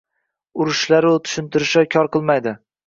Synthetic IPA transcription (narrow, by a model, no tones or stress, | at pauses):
ʊɾʊʃlaɾʊt̪ʰʊ̥ʃɪnt̪ʰɪɾɪʃakʲʰɒɾqɨlˠmajd̪ɪ